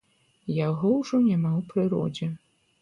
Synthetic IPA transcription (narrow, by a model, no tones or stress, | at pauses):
jaɣɔwʐɔnʲamawpɾɨɾɔ̰d͡zʲɛ